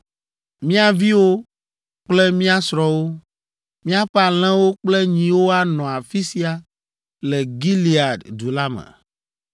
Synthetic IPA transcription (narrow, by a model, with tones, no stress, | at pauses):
mĩ˦a˨vi˦wo˦ | k͡plɛ˦mĩ˦a˦sɾɔ˨wo˦ | mĩ˦a˦ɸɛ˦a˨l̃ɛ̃˦wo˦k͡plɛ˦ɲĩ˨wo˦a˦nɔ̃˨a˨fi˦si˦a˨ | lɛ˨ɡi˦li˨a˨ddu˨la˦mɛ̰̃˨